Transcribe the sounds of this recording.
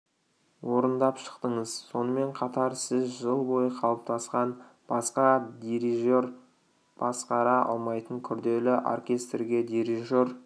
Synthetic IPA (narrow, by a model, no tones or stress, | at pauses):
wo̞ɾənd̪ɑpʃə̥qt̪əɴəzso̞nəme̞ɴqʰɑt̪ɑɾsɪzʒəlˠbo̞jəqʰɑlˠəp̚t̪ɑsqɑnbɑsqɑd̪iɾiʒoɾ | b̥ɑsqɑɾɑʔɑ̰lˠmɑjt̪əŋkʲʰʏɾd̪e̞lɪʔo̰rkʲe̞st̪rɡʲe̞d̪iɾiʒo̞ɾ